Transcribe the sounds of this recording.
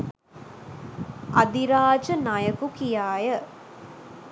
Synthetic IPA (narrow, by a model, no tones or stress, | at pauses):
ʔɐd̪iɾaːd͡ʒɐnajɐkukijaːjə